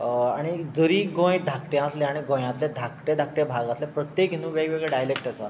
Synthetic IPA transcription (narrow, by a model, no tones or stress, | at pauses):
aɽ̃id͡zəɾiːɡõjd̪ʱakʈjãəslẽaɽ̃iɡõjãt̪lẽd̪ʱak̚ʈẽd̪ʱak̚ʈẽbʱaɡaslẽpɾət̪jekinũʋeɡɭeɡɭɛɖajlek̚ʈəsa